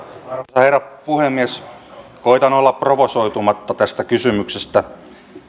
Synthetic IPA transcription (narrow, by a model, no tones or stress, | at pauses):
ɑheiræpuhemːieskoit̪ɑnolːɑpproʋosoit̪umɑt̪ːɑt̪æst̪ækysymyksest̪æ